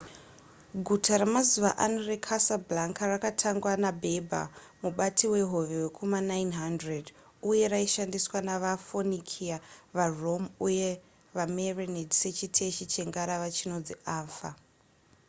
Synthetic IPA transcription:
ɡʱutʰaɾamazuʋa̰ʔanore̞kʰasablaŋkarakatʰaŋɡwanabʱe̞bʱa̰ | muɓatʰiwe̞ɦo̞ʋewekʰomanajnɦandred | uje̞ɾaiʃandiswanaʋafonikʰiaʋaro̞muje | ʋamerenedise̞t͡ʃitʰe̞ʃit͡ʃe̞ŋɡaɾaʋat͡ʃino̞d͡ziaːfa

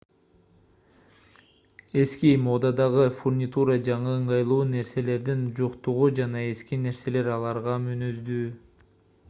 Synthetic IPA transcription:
e̞skimo̞d̪ɑd̪ɑʁɯfurnʲit̪uɾɑd͡ʒɑɴɯːɴʁɑjlˠuːne̞ɾse̞le̞ɾd̪ind͡ʒo̞qt̪uʁud͡ʒɑnɑe̞skine̞ɾse̞le̞ɾɑlˠɑɾʁɑmynøzd̪yː

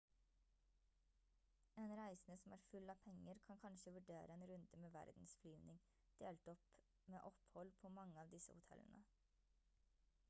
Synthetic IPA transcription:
eːnɾæɪsnəsɔm̩æːɾfʉlːɑːpʰɛŋːəɾkʰɑnkʰɑnʃəʋʉɖeːɾəeːnɾʉnd̪əmeːʋæ̰ɾd̪n̩sflyːʋnɪŋ | d̪̥eːlt̪ɔp | meːʔɔphɔlpʰoːmɑŋːəɑːʋd̪ɪsə̰hʊt̪ʰɛ̰lːə̰nə̰

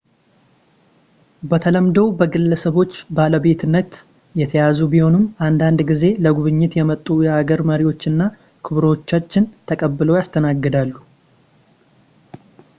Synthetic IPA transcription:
bət̪ʰələmd̪əwbəɡɨlːəsəβo̞t͡ʃːbaləbe̞t̪ʰɨnːət̪ | jɛt̪ʰəjazubiho̞nɨmʔand̪and̪ɡize̞ləɡuβɨɲːɪt̪jɛmət̪ʼːujɛhaɡəɾməɾiwo̞t͡ʃːɨnːa | kʰɨβɾot͡ʃːat͡ʃːɪnt̪ʰəkʼəbːɨlojast̪ʰənaɡːɨd̪alːu

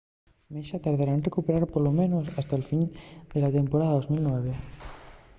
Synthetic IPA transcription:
meʃat̪aɾðaɾaenrekupeɾaɾpolomenosast̪alfind̪elat̪empoɾaðaðozmilˠnwɛβ̞e

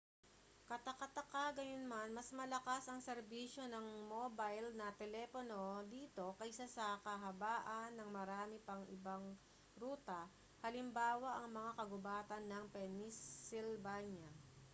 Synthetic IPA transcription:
kɐt̪ɐkɐt̪ɐkaɡɐjonmɐnmɐsmɐlɐkasɐŋsɛɾbiːʃo̞nɐŋmobajlnɐt̪ɛlɛpono̞d̪iːt̪o̞kɐjsasɐkɐɦɐbaːʔɐnːɐŋmɐɾaːmɪpɐŋʔɪ̰baŋ | ɾuːt̪ɐ | hɐlɪmbaːwɐʔɐŋmɐŋakɐɡʊbaːt̪ɐnːɐŋpɛnisɪlbaɲɐ

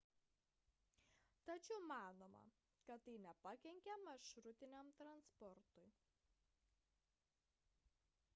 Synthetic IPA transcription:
t̪ɐt͡ʃʲɛʊmɑːnoːmɐ̰ | kɐt̪ːɐɪnʲɛpɐkʲɛŋʲkʲɛmɐʃɾʊt̪ʲɪnʲɛmt̪ɾɐnspɔɾt̪ʊɪ

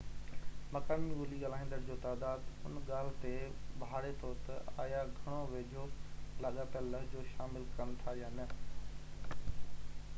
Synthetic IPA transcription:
mɐkaːmiʊliɠaːlaːĩnd̪əɾd͡ʑoːt̪aːd̪aːd̪ʊ̰nɠaːl̤t̪eɓaːɽet̪ʰoːɾt̪ɐa̰ːjaɡʱɐɽ̃oʋeːd͡ʑʱolɐɠapəlːəɦd͡ʑoːʃaːmɪlkɐnt̪ʰajaːnɐ

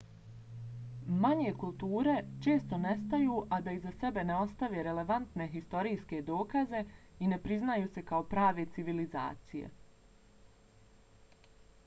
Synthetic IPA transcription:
maɲekulˠt̪uːɾe̞t͡ʃe̞ːst̪o̞ne̞st̪ajuːʔad̪aizase̞be̞neo̞st̪aʋe̞ɾe̞le̞ʋant̪ne̞ɦist̪o̞ɾiːske̞d̪o̞ːkaze̞ine̞pɾiznajuːse̞kaopɾaːʋe̞t̪siʋiliza̰ːt̪sijḛ

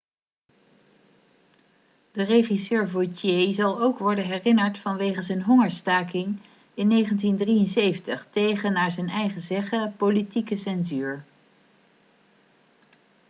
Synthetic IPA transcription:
d̥əreχisøːɹvojtjejzɑlˠowkʋɔɹdənɦɛrɪnəɹtfɑnʋejχənsənɦɔŋəɹstaːkɪŋ | ɪnːejχəntindrijənsejvəntəχtejχənːaːɹzɛnɛjχəzɛχəpolitikəsɛnzyːɹ

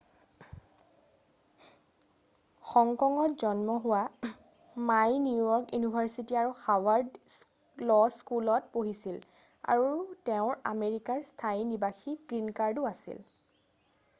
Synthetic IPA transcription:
xɔŋkɔŋɔtzɔnmɔɦʊwa | majnjuujɔɹkjunibʱaɹsitiaɹuxawaɹd | lɔskulɔtpoɦisila̰ɹuteʊ̃ɹa̰meɹikaɹstʰainibaxiɡɹinkaɹduasḭl

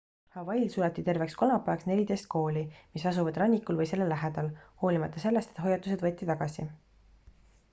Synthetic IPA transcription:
hɑvɑjlsulɑt̪ːit̪e̞rve̞ksko̞lmɑpːˑeɑksne̞lʲid̪e̞jst̪̚ko̞ːlimisɑsuvɑd̪rɑnʲːikulvɤjse̞lːe̞lːæɦed̪̥ɑlho̞ːlimɑt̪ːˑɑse̞lːest̪et̪ho̞jːɑt̪ːˑus̬e̞d̪vɤt̪ːˑit̪ɑɡ̥ɑsḭ

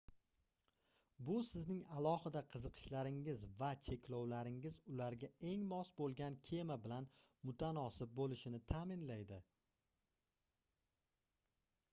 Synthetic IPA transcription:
bʊsɪznɪŋalˠɒhɪd̪aqʰɨzɨqʰɨ̥ʃlaɾɪŋɪzvat͡ʃʰe̞kʲlɒwlaɾɪŋɪzʊlaɾɡʲae̞ŋmɒsbolˠɡʲankʲʰe̞mabɪlanmʊt̪ʰanɒsɪb̚bolɪʃɪnɪt̪ʰamɪnlajd̪ɪ

